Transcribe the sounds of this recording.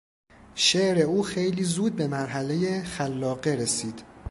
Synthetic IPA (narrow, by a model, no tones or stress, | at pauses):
ʃeʔɾe̞uːxejliːzuːd̪̚be̞mæɾɦæle̞jexælːɒːɣeɾesiːd̪̥